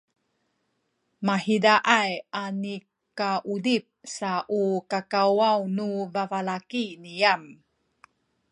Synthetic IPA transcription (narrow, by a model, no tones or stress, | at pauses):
mahidaʔajani | kaʔudip̚saʔukakawawnuvavalakinijam